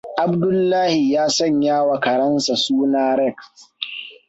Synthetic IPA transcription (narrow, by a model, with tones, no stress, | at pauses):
ʔa˨bdʊ˦lːaː˦hi˨jaː˦sɐ˦ɲjaː˦wa˨kɐ˨ɾɐ˦nsa˨suː˦naː˦ɾɛ˦˨k